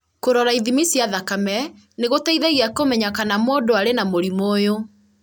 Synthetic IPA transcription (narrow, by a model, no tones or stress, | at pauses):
koɾɔɾaiðimisiaðakamɛ | neɣotaiðɛɣiakomɛɲakanamoːdoaɾenamoɾimoːjo